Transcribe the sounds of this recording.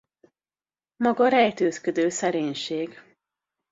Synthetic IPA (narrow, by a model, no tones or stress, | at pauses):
mɒɡɒɾɛjt̪øːskød̪øːsɛɾeːɲʃeːɡ